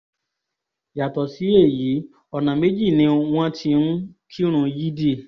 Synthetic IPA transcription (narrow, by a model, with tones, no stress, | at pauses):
ja˨tɔ˨si˨˦e˦˨ji˨˦ | ɔ˧nã˨me˨˦d͡ʒi˦˨nĩ˧˦w̃ɔ̃˦tʰi˧nũ˦kʰi˦ɾ̃ũ˧ji˦di˦˨